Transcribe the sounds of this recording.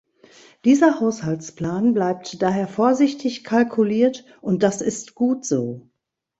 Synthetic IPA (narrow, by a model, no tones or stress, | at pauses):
d̥iːzɐhaʊshalt͡spl̥aːnblaɪp̚td̥aːɦeːɐfoːɐzɪçtʰɪçkʰalkʰuliːɐt | ʔʊnt̚d̥asɪstɡ̥uːtz̥oː